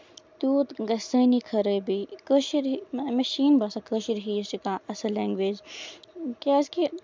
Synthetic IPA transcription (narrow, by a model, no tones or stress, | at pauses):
t̪uːt̪ɡɐsəːnikʰɐɾəːbikəʃiɾmɐʃiːnbɐːsakəːʃiɾɦiːsʈikaɐsɐleːŋɡʋeːd͡ʒ | kaːski